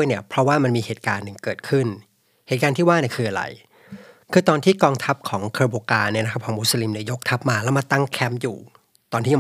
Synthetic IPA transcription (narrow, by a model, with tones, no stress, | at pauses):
əjni˥˩ɐpʰɾɔ˦˥waː˥˩ma˧nmiː˧heː˨˩t̪̚ka̰ː˧nːɯ˨˩ŋkɤː˨˩t̪̚kʰɯ˥˩n | heː˨˩t̪̚kaː˧nt̪ʰiː˥˩waː˥˩ni˦˥˩kʰɯː˧ʔa˧ɾa̰˧j | kʰɯː˧t̪ɔː˧nt̪ʰiː˥˩kɔː˧ŋt̪ʰa˦˥p̚kʰɔː˩˦ŋkʰəː˧boː˧kaː˧nːi˥˩ɐna˦˥k̚ʰkʰɔː˩˦mu˦˥sə˧li˧mni˥˩ɐjo˦˥k̚t̪ʰa˦˥p̚maː˧lɛ˦˥˩wma˧t̪a˥˩ŋkʰɛ˦˥mjṵː˨˩ | t̪ɔː˧nt̪i˥˩a˧